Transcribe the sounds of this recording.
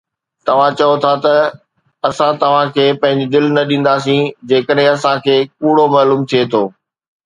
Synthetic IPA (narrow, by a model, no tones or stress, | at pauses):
t̪ɐʋ̤ãt͡ɕɐjot̪ʰat̪ɐ | ɐsãt̪ɐʋ̤ãkʰeːpɐ̃ɦɪ̃ɲd͡ʑed̪ɪlnɐɗĩːn̆d̪aːs̬ĩd͡ʑeːkəɗɦẽɐsãkʰeːkuːɽ̤omɐːluːmt̪ʰiet̪ʰoː